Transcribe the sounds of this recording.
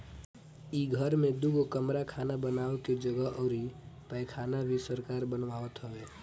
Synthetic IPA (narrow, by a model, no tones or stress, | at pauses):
iɡʱəɾmẽd̪uɡokəmɾakʰaːnabənaːoked͡ʒəɡəɦʔɔːɾɦipəɪkʰaːnabʱisəɾkaːɾbənʋaːʋət̪ɦəʋeː